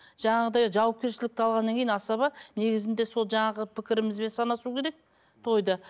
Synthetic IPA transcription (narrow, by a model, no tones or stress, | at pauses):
ʒ̥ɑɴɑʁəd̪ɑjʒɑwɑp̚kʲe̞ɾʃɪlɪk̚t̪ɑlˠʁɑnːɑŋkʲʰejinɑsɑβɑne̞ɡʲɪzɪnd̪e̞so̞lˠʒɑɴɑʁəpʰɪkʲɪɾɪmɪzbe̞nsɑnɑsukʲʰe̞ɾe̞k̚ | t̪ʰo̞jd̪ɑ